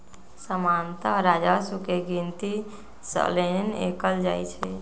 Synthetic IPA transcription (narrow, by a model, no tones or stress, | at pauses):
səmant̪əɾad͡ʒasukeɡint̪i | sə̰lenḛkəld͡ʒaːjt͡ʃʰɛ